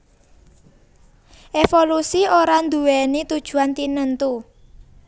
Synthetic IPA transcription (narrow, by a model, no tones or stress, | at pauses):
ʔefolusioɾand̪uwɛnit̪ud̥ʒ̥ṳant̪inənt̪u